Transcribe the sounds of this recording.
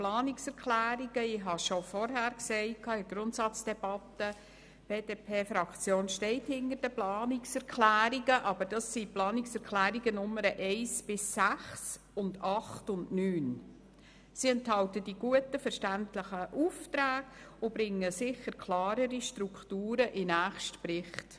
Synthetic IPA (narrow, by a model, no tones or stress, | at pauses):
plɑːniksɛɾkʰlæːɾiɡəɪɦɑʃɔfɔɾɦæːɾksɛɪkʰːɑːɪɡ̥ɾʊntsɑt͡sd̥ɛb̥ɑtə | b̥eːdepʰeːfɾɑkt͡sjoːnʃtɛɪthɪndəɾd̥əplɑːniksɛɾkʰlæːɾiɡəʔɑb̥əɾd̥ɑsːiplɑːniksɛɾklæːɾiɡənʊmːəɾəʔɛɪsb̥ɪsːæχs | ʊndɑχtʊndnyːn | siɛnthɑltəd̥iɡ̥uətəfɛɾʃtæntləχəʔuftɾæːɡ̥ | ʊb̥ɾɪŋːəsɪχəɾkʰlɑːɾəɾiʃtɾuktuːɾəʔɪnæːχʃtprɪχt